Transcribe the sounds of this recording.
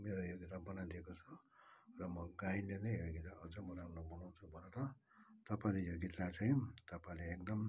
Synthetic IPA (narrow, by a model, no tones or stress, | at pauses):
meɾojoɡit̪abʌnad̪iekot͡sʰʌ | rʌmʌɡainlenʌjjoɡit̪aʌd͡zʌmʌɾaunobʱunawt͡sʰubʱʌneɾʌ | t̪ʌpaĩlejoɡit̪lat͡saĩt̪ʌpaĩleːkd̪ʌm